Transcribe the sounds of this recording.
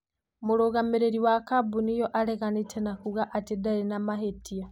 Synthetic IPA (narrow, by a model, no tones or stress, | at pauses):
muɾoɣameɾeɾiwakabunijoʔaleɣanitʰenakuɣaʔatidaɾinamaɦetia